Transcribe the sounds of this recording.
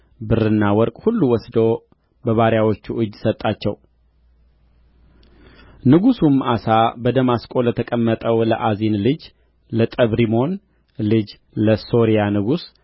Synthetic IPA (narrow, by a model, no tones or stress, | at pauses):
bɨrɨnːawɔɾkʼhulːuwɔsd̪o | bəβaɾjawot͡ʃːuʔɨd͡ʒːsət̪ʼːat͡ʃːɛw | nɨɡusumasabəd̪əmaskʼo̞lət̪ʰəkʼəmːət̪ʼəwlə̰ʔazinlɨd͡ʒ | lət̪ʼəβɾimo̞n | lɨd͡ʒ | ləso̞ɾijanɨɡus